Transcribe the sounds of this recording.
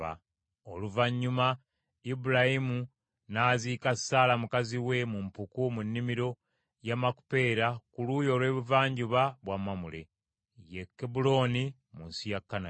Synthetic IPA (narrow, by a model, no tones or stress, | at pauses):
a̰ | o̞luvaɲːuma | ibuɾahimu | naːziːkasaːlamukaziwe̞mumpukumunːimiɾo̞ | jamaku̥pe̞ːɾakuluːjo̞ːlwe̞ːβuvaːɲɟuβaβwamːamule̞̰ | jekːebulo̞ːni | munsijakːana